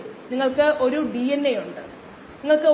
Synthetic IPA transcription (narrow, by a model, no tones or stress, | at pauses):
niŋːɐɭkɨʔo̞ɾuɖiːenːejuɳɖɨ̰ | niŋːɐɭkɨ